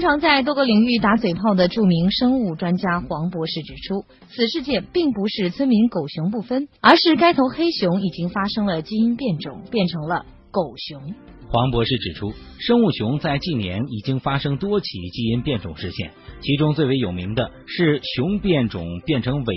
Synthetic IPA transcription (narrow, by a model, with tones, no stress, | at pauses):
ŋʈ͡ʂʰɑ˧˥ŋt͡sa˥˧ɪt̪wɔ˥ɡə˥˧li˨˩ŋy˥˩t̪a˧˥t͡swe˨˩ɪpʰɑ˥˩ʊd̪ə˩ʈ͡ʂu˥˩mi˧˥ŋʂɤ˥ŋu˥˩ʈ͡ʂwa˥nt͡ɕja˥xwɑ˧˥ŋpwɔ˧˥ʂɻ̩˥˩ʈ͡ʂɻ̩˨˩ʈ͡ʂʰu˥ | t͡sʰɹ̩˨˩ʂɻ̩˥˧t͡ɕjɛ˥˧npi˥˩ŋpu˧˥ʂɻ̩˥˩t͡sʰwə˥nmi˧˥nko˨˩ʊɕjʊ˧˥ŋpu˥˩fə˥nə˞˧˥ʂɻ̩˥˩ka˥ɪt̪ʰo˧˥ʊxe˥ɪɕjʊ˧˥ŋi˨˩t͡ɕi˥ŋfa˥ʂɤ˥ŋlə˨t͡ɕi˥i˥npjɛ˥˩nʈ͡ʂʊ̰˨˩˦ŋpjɛ˥˩nʈ͡ʂʰɤ˧˥ŋlə˧ | ko˨˩ʊɕjʊ˧˥ŋ | xwɑ˧˥ŋpwɔ˧˥ʂɻ̩˥˩ʈ͡ʂɻ̩˨˩ʈ͡ʂʰu˥ʂɤ˥ŋu˥˩ɕʊ˧˥ŋt͡sa˥˧ɪt͡ɕi˥˩njɛ̰˧˥ni˨˩t͡ɕi˥ŋfa˥ʂɤ˥ŋt̪wɔ˥t͡ɕʰḭ˧˥t͡ɕi˥i˥npjɛ˥˩nʈ͡ʂʊ̰˨˩ŋʂɻ̩˥˧ɕjɛ̰˥˩nt͡ɕʰi˧˥ʈ͡ʂʊ˥ŋt͡swe˥˩ɪwe˧˥ɪjo˨˩mi˧˥ŋd̪ə˧ | ʂɻ̩˥˧ɕjʊ˧˥ŋpjɛ˥˩nʈ͡ʂʊ̰˨˩ŋpjɛ˥˩nʈ͡ʂʰɤ˧˥ŋwe˧˩